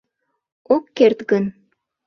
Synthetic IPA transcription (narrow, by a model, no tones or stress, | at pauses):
okːert̪ɡən